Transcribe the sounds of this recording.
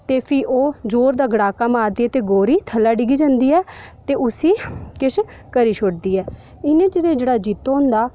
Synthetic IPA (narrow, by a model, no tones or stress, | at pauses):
t̪eːpʰiːʔoːd͡ʒoːɾd̪aːɡəɽaːkaːmaːɾd̪iːɛːt̪eːɡoːɾiːt̪ʰəlːaːɖɪɡiːd͡ʒãːnd̪iːɛːt̪eːʊsiːkɪʃ | kəɾiːʃʰoʈd̪iːɛː | ɪnẽːt͡ʃɪd̪eːd͡ʒeːɽaːd͡ʒiːt̪ːoːɦʊ̃nd̪aː